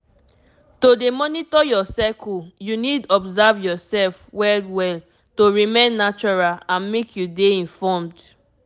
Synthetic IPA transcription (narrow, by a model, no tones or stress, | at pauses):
todemɔnitɔjɔsɛkujunidɔbzavjɔsɛlfwɛldwɛl | toɹimẽnːat͡ʃɔɹalãnmekʰjudeĩnfɔmd